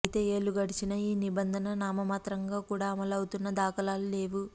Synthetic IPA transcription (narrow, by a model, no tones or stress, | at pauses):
t̪e̞ːe̞ːɭːuɡɐɽit͡ʃinɐiːnibɐnd̪ʱɐnɐnaːmɐmaːt̪ɾɐŋɡaːkuːɽaːɐmɐlɐwut̪unːɐd̪aːkɐlaːlule̞ːʋu